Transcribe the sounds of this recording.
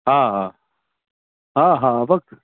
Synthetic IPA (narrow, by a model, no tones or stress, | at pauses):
ɦaːɦaː | ɦaɦaʋɐk̪̚